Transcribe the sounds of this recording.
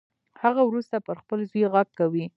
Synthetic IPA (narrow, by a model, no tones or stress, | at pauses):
haɣawɾust̪apəɾxpəlzujɣaɡ̚kawi